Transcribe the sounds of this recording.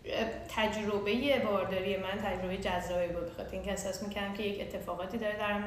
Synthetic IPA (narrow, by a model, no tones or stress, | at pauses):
t̪ʰæd͡ʒɾobe̞jebɒːɾd̪ɒːɾijemænt̪ʰæd͡ʒɾo̞be̞jed͡ʒæzːɒːbibud̪̚bexɒ̰t̪ʰeɾiŋcʰeesɒːsmiːcʰæɾd̪æmkʲʰe̞jece̞t̪ʰːe̞fɒːɣɒːt̪ʰiːd̪ɒːɾed̪æɾm